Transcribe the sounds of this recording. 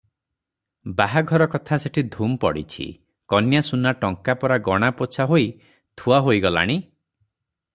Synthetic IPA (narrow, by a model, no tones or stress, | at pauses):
baɦaɡʱɔɾɔkɔt̪ʰaseʈʰid̪ʱumpɔɽḭt͡ʃʰḭ | kɔnjasunaʈɔŋkapɔɾaɡɔɽ̃apot͡ʃʰaɦoj | t̪ʰuaɦojɡɔla̰ɽ̃i